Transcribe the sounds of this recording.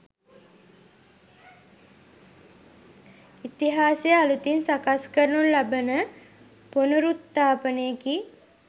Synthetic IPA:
it̪iɦaːsejəalut̪insakaskəɾənunlabənə | ponuɾut̪ːaːpənəjəki

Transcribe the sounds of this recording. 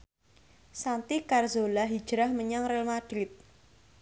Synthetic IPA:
sant̪ikarzolaɦid̥ʒ̥ɾahməɲaŋrɛlmad̪̥ɾɪt̪̚

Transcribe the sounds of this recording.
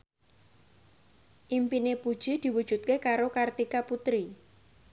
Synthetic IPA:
ʔimpinepud̥ʒ̥id̪̥i̤wud̥ʒ̥ṳt̪̚kekaɾokart̪ikaput̪ɾi

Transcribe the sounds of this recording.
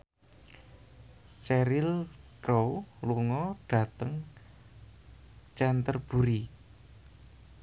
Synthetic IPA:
t͡ʃɛɾɪlkɾowluŋɔɖ̥ä̤t̪əŋ | t͡ʃɛnt̪ərb̥ṳɾi

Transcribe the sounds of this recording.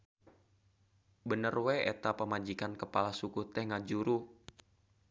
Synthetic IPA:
bənərwɛḛt̪apəmad͡ʒikankəpalasukut̪ɛŋad͡ʒuɾu

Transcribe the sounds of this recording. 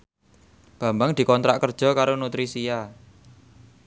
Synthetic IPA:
b̥a̤mbaŋd̪̥i̤kɔnt̪ɾa̰ʔkərd̥ʒ̥ɔ̤kaɾonut̪ɾisija

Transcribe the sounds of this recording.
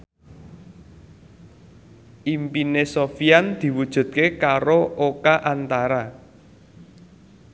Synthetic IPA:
ʔimpinesofiand̪̥i̤wud̥ʒ̥ṳt̪̚kekaɾoʔokaʔant̪aɾa

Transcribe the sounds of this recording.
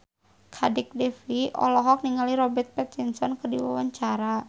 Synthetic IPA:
kʰadɛk̚dɛfiɔ̰lɔɦɔk̚niŋaliɾɔbɛrt̪̚pɛt̪̚insɔnkərdiwa̰waɲt͡ʃaɾa

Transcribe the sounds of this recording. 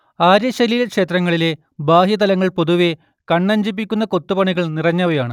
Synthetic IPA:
aːɾjɐɕɐlilekʂe̞ːt̪rɐŋːɐɭile | baːhjɐt̪ɐlɐŋːɐɭpo̞ðuʋe | kɐɳːɐɲd͡ʑip̬ːikʲːun̪ːɐko̞t̪ːupɐɳiɣɐɭnirɐɲːɐʋɐjaːɳɨ

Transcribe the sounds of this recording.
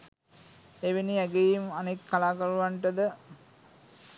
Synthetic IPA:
eʋeniæɡejimanekːalaːkɐɾuʋaɳʈəd̪ə

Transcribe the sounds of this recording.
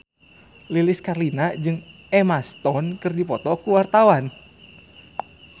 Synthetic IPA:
lilɪskarlinad͡ʒɨŋ | ɛmast̪ɔnkɨrdipɔt̪ɔkuwart̪awan

